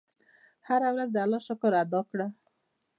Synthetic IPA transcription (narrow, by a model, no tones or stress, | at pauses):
haɾawɾazd̪əalɑʃʊkʊɾad̪ɑkɽa